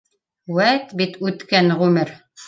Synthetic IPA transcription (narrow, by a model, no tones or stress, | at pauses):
wæt̪bit̪ʉt̪kænʁʉmɘɾ